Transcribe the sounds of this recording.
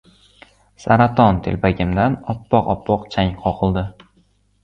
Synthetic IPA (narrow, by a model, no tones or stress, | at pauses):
saɾat̪ʰɒnt̪ʰelpʰaɡʲɪmd̪anɒpːɒqɒpʰːɒqt͡ʃʰaŋqʰɒqʰɨlˠd̪ɪ